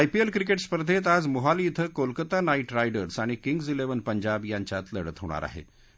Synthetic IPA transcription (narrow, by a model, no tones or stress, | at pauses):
ajpielkɾikeʈspəɾd̪ʱet̪ad͡zmoɦaliːt̪ʰəkolkət̪anaiʈɾajɖəɾsaɽ̃ikiŋɡd͡zileʋənpəɲd͡ʑabjaɲt͡ɕjat̪ləɽət̪ɦo̰ɽ̃a̰ɾa̰ɦḛ